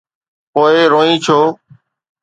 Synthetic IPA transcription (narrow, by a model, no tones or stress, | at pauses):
poːeːɾoːĩːt͡ʃʰoː